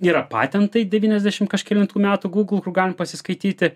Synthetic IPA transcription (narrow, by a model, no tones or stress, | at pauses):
iːɾɐpɑ̰ːt̪ʲɛnt̪ɐɪd̪ʲɛʋʲiːnʲɛzʲd̪ʲæʃʲɪmkɐʃkʲɛlʲɪnt̪uːmʲæːt̪uːɡuːɡlˠkʊrɡɑːlʲɪmpɐsʲɪskɐɪt̪ʲiːt̪ʲɪ